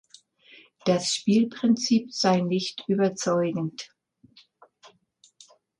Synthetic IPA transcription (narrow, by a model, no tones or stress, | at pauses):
d̥asʃpiːlpʁ̥ɪnt͡siːpz̥aɪnɪçtʔyːbɐt͡sɔʏɡŋ̩t